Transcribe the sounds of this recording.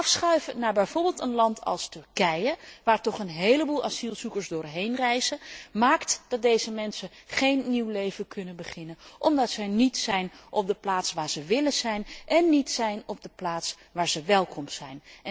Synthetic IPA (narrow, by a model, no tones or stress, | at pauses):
ɑfsχœɥvənaːɹbɛjvoːɹbɪːlˠtənlɑntʰɑ̰lˠstɵɹkɛjəʋaːɹtɔχənɦejləbulˠʔɑ̰zilˠzukəɹzdʊːɹɦejnrɛjzəmaːktd̥ɑt̚dejzəmɛnsəχejnːiwlejvəkʰɵnənbəχɪnənʔɔmdɑtsɛjnitsɛjnʔɔp̚dəplaːtsʋaːɹz̥əʋɪlənz̥ɛjnʔɛnːitsɛjnɔb̚dəplaːts | ʋaːɹzəʋɛlˠkʰɔmsɛjn